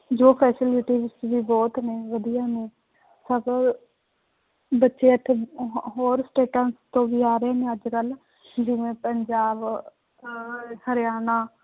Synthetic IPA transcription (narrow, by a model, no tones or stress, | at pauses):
d͡ʒoːpʰɛːsɪlɪʈiːɪsʋiːbɔːt̪neːʋəd̪ijaːneː | səb | bətːʃeːət̪ʰːeɦoːɾsʈeːʈənst̪õːʋiːaːɾəeːneːəd͡ʒkəl | d͡ʒɪʋẽːpəɲd͡ʒaːb | həɾjaːnaː